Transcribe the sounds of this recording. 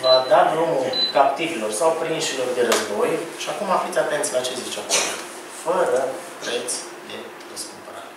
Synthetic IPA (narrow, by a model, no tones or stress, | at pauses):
vad̪ad̪ɾumukapt̪ivilo̞rsawpɾinʃilo̞rd̪e̞ɾəzbo̞jʃiakumafit̪ʲat̪ent̪slat͡ʃezit͡ʃako̰l | fəɾəpɾe̞t̪s | d̪e̞ | rəskumpəɾa̰ɾe